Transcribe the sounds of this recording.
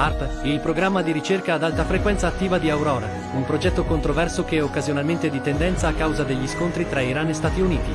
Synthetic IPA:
arpilpɾoɡɾamːad̪iɾit͡ʃerkaːd̪alt̪afɾekwɛnt̪saːt̪ːiːvad̪iawɾɔːɾa | umpɾod͡ʒɛt̪ːokont̪ɾovɛrsokeokːazjonalment̪ed̪it̪ɛnd̪ɛnt̪saːkːawzad̪eʎːiskont̪ɾit̪ɾaiɾanest̪aːt̪iuniːt̪i

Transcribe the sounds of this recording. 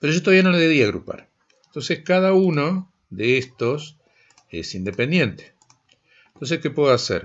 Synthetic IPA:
peɾoʒot̪oaβijanoleðeβiaɣɾṵpa̰ɾ | ent̪o̞nseskaðauno | ðeest̪os | ḛsind̪e̞pe̞nd̪je̞nt̪e̥ | nt̪ons̬eske̞pweðoasḛɾ

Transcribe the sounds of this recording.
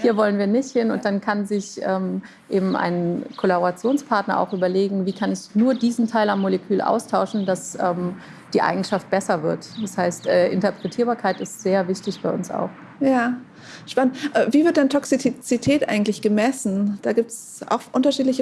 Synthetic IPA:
hiːɐvɔlənviːɐnɪçthɪnʊnt̚d̥ankʰanzɪçʔɛːm | ʔeːbm̩ʔa̰ɪnənkʰolaboʁat͡sjoːnspʰaɐtnɐʔa̰ʊxʔyːbɐleːɡŋ̩viːkʰanɛçnuːɐdiːzn̩tʰaɪlamːolɛkʰyːlʔa̰ʊstʰaʊʃn̩dasʔɛːm | d̥iːʔa̰ɪɡŋ̩ʃaft̚b̥ɛsɐvɪɐtd̥ashaɪstʔɛːʔɪ̰ntɐpʁ̥ɛtʰiːɐbaːɐkʰaɪtɪstz̥eːɐvɪçtɪçb̥aɪʊnsa̰ʊx | jaː | ʃpanəntʔɛːviːvɪɐt̚d̥antʰɔksit͡sitʰɛːtʔa̰ɪɡŋ̩tlɪçɡ̥əmɛsn̩d̥aːɡiːp̚ts | ʔa̰ʊxʔʊntɐʃiːtlɪçə

